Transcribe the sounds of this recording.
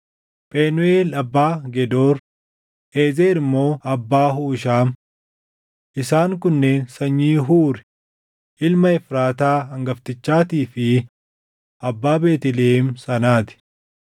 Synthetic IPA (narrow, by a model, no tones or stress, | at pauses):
pʼeːnʊeːlɐbːaːɡɛd̪o̞ːɾ | eːzeːɾɪmːo̞ːʔɐbːaːɦuːʃaːm | ʔɪsaːŋkʊnːe̞ːnsɐɲːiːɦuːɾɛ̥ | ʔɪlmɐɛfɾaːt̪aːɐŋɡɐft̪ɪt͡ʃːaːt̪iːfɪ | ʔɐbːaːbe̞ːt̪ɪlemsɐnaːt̪ɪ̥